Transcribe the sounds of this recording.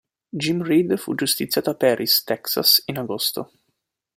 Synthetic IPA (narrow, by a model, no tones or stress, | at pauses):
d͡ʒimrid̪fṵd͡ʒust̪it̪sːjaːt̪apɛːɾʔist̪ɛksa̰sinaɡost̪o